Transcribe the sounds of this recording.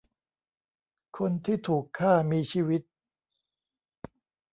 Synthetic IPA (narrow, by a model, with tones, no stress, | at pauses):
kʰo˧nt̪ʰiː˥˩t̪ʰuː˨˩kʰːaː˥˩miː˧t͡ɕʰiː˧wi˦˥t̪̚